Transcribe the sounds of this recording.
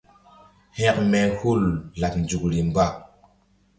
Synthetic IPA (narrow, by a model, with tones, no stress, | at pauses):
he˦kme˦hu˦lla˨p̚n˨d͡ʒu˨kɾi˨mba˦˨